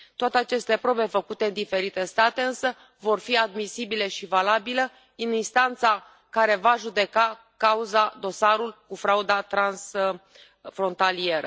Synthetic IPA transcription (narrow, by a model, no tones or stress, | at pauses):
t̪oat̪e̞at͡ʃe̞st̪e̞pɾo̞be̞fəkut̪e̞ɨnd̪ife̞ɾit̪e̞st̪at̪e̞ɨnsə | vo̞rfiad̪misibile̞ʃivalabilə | ininst̪ant̪sa | kaɾe̞vaʒud̪e̞ka | kauzad̪o̞saɾulkufɾaud̪at̪ɾans | fɾo̞nt̪alie̞ɾə